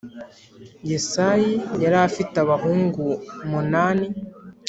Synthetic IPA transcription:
jesajijaɾafitaβaɦuːŋɡumunaːni

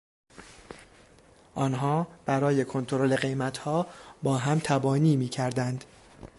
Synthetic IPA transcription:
ʔɒːnɦɒːb̥æɾɒːje̞kʰo̞nt̪ʰoɾo̞le̞ɢe̞jmæt̪ʰhɒːbɒːɦæmt̪ʰæbɒːniːmiːcʰæɾd̪ænd̪

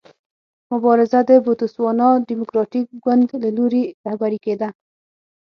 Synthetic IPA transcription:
mʊbɑɾɪzad̪əbot̪ʊswɑnɑdimʊkɾɑʈik̚ɡwand̪laloɾeɾahbaɾiked̪a

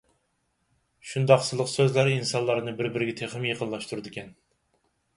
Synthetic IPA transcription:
ʃund̪ɑqsɨlˠəqsøzlæɾinsɑnlˠɑɾnɨbɪɾbɪɾɪɡʲɛt̪ʰeχɨmjeqʰənlˠɑʃt̪ʰuɾɨd̪ɪkʲʰɛn

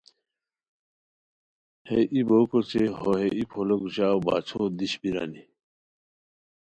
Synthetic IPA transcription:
heʔibokot͡ɕeɦoɦeʔipʰoloɡuɕaːwba̰ːt͡ɕʰod̪iɕbiɾa̰ni

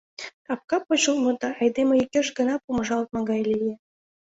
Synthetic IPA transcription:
ɑp̚kɑpot͡ɕulˠmɤ̆d̪ɑɑjd̪emeikʲːĕʃɡə̆nɑpumɤ̆ʒɑlt̪̚mɑɡɑjlʲije

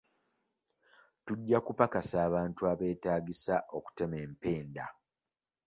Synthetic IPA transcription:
tuɟːakupakasaːβaːntuaβe̞ːtaːɟisaʔo̞ku̥te̞me̞ːmpe̞ːnda

